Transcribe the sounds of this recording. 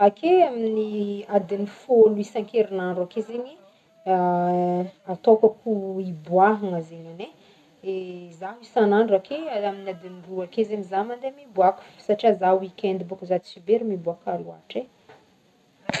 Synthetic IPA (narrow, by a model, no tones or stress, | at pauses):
akʰeaminiad̪inifoluisaŋkeɾinaɳɖ͡ʐakezeɲi | at̪okəkuibwaɦaŋəzeɲane | ezaɦisanaɳɖ͡ʐakeaaminad̪iniruakezeɲizamand̪emibuaku̥fsaʈ͡ʂiazawikʲɛnd̪ibukuzad̪sibeɾimibuakalua̰ʈ͡ʂe